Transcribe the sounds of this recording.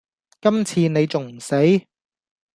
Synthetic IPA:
kɐ˥mt͡sʰiː˧ne˨˧jt͡sʊ˨ŋm̩˨˩se˨˥j

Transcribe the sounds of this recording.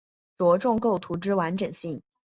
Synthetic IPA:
t͡swɔ˧˥ʈ͡ʂʊ˥˧ŋko˥˩ʊt̪ʰu˧˥ʈ͡ʂɻ̩˥wa˧˥nʈ͡ʂɤ˨˩ŋɕi˥˩ŋ

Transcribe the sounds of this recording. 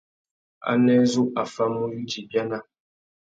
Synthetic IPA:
a̰˦nɛ˦zu˦ʔa˨fa˦mu˦ju˦d͡ʒi˨bja˦na˦˨

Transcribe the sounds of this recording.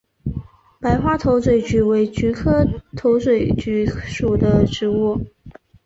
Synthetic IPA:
pa˧˥ɪxwa˥t̪ʰo˧˥ʊt͡swe˨˩ɪt͡ɕy˧˥we˧˥ɪt͡ɕy˧˥kʰɤ˥t̪ʰo˧˥ʊt͡swe˨˩ɪt͡ɕy˧˥ʂu˨˩d̪ə˦ʈ͡ʂɻ̩˧˥wu˥˩

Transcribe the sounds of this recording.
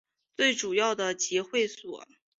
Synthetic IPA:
t͡swe˥˩ɪʈ͡ʂu˨˩jɑ˥˩ʊd̪ə˩t͡ɕi˧˥xwe˥˩ɪswɔ̰˨˩˦

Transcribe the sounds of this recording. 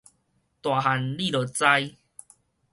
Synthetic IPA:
t̪wa˨ɦa˨nli˥˨lo˨˩t͡sa˧j

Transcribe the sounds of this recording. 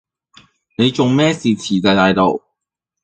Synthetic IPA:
ne˨˧jt͡ʃʊ˨ŋmɛː˥siː˨t͡sʰiː˨˩ka˧t̪aː˧jt̪o˨w

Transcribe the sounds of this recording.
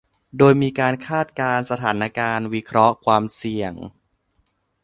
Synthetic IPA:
doː˧jmiː˧kaː˧nkʰaː˥˩t̪̚kaː˧nsa˧t̪ʰaː˩˦na˧kaː˧nwi˦˥kʰɾɔ˦˥kʰwaː˧msi˨˩əŋ

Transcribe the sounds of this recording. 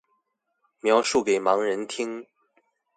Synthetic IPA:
mjɑ˧˥ʊʂu˥˩ke˨˩ɪmɑ˧˥ŋɻə˧˥nt̪ʰi˥ŋ

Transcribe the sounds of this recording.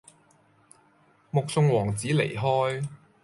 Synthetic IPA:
mʊ˨k̚sʊ˧ŋwɔː˨˩ŋt͡siː˨˥le˨˩jɦɔː˥j

